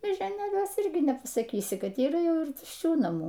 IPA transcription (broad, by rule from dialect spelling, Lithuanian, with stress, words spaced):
mʲeːʒʲoːˈnʲeːlʲuɔsʲɛ ˈɪrʲɡʲɪ nʲɛpɐsɐˈkʲiːsʲɪ ˈkɐt iːˈrɐ ˈjɛʊ ɪr tʊʃʲˈt͡ʃʲuː nɐˈmuː